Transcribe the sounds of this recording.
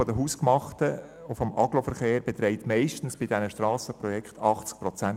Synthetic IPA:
ɔdəɦuːskmɑχtə | ʊfɔmʔɑ̰ɡ̥lofəɾχeːɾbet̪rɛɪtmɛɪʃtən̩sb̥ɪdɛnəʃtrɑːsəprɔjɛkχtʰɑχt͡sk̚prɔt͡sæn

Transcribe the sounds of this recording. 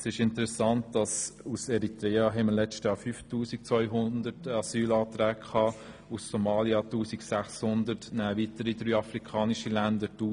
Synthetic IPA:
sɪʃɪntəɾɛsɑnt̚d̥ɑsusɛɾitɾɛːɑɦɛməlɛt͡stjɑːɾfyːftuːsik̚t͡svɔʏɦʊndətɑsyːlɑːt̪ɾɛːkkʰɑː | usːomɑːljɑtuːsiksæχshʊndəɾtnæːvitəɾidɾyːɑfɾikʰɑːniʃilændətuː

